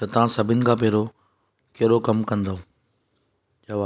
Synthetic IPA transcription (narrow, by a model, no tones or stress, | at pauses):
ɐt̪ãsɐbʱɪnɪ̆kʰãːpeːɾo | keɦɾokɐmkɐ̃nd̪o | d͡ʒɐʋa